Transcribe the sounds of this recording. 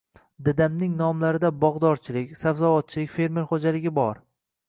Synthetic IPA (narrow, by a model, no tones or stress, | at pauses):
d̪ɪd̪amnɪŋnɒmlaɾɪd̪abɒʁd̪ɒɾt͡ʃʰɪlɪkʲsavzavɒt̪̚t͡ʃʰɪlɪkʲfe̞ɾmeɾχod͡ʒalɪɡʲɪbɒɾ